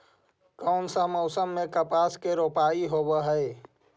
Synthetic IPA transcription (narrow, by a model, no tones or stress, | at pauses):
kəʊnsamɔʊsəmːẽkəpaːskeɾoːpaːiɦoːbəɦəe